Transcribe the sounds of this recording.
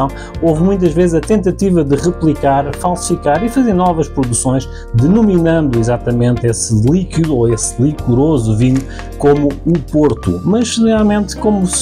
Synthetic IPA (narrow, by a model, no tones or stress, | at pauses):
ɐ̃w̃ | ovmũj̃t̪̬ɐʒvezzɐt̪ẽnt̪ɐt̪ivɐd̪ɨʁɨplˠikaɾfalˠsi̥fikaɾifɐzeɾnɔvɐʃpɾuðusõj̃ʃ | d̪ɨnuminɐ̃nd̪uizat̪ɐmẽnt̪esɨlˠikiðuoeslˠikuɾozuviɲu | komuːpoɾt̪ṵmɐʒnalˠmẽnt̪komus